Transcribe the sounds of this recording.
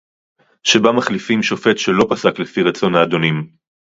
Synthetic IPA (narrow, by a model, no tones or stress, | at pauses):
ʃebamaχlifimʃo̞fe̞tʃelo̞pasaklefiʁat͡so̞naːd̪o̞nim